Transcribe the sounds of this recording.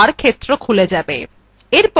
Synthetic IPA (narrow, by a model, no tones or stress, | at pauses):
aɾkʰet̪ːɾokʰuled͡ʑabḛ | eɾp